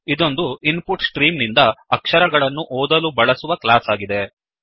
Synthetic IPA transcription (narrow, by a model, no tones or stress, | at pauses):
id̪o̞nd̪uinpuʈsʈɾiːmnind̪ɐːkʂɐɾɐɡɐɭɐnːuʔɔːd̪ɐlubɐɭɐsuʋɐklaːsaːɡid̪e̞